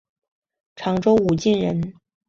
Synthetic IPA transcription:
ʈ͡ʂʰɑ˧˥ŋʈ͡ʂo˥ʊu˨˩t͡ɕi˥˩nɻə˧˥n

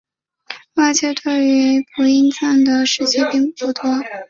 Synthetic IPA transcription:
wa˥˩t͡ɕɛ˥t̪ʰə˥˩y˧˥pʰu˧˥i˥nt͡sa˥˩nd̪ə˩ʂɻ̩˥˧t͡ɕʰɛ˥˧pi˥˧ŋpu˥˩t̪ʰwɔ˥

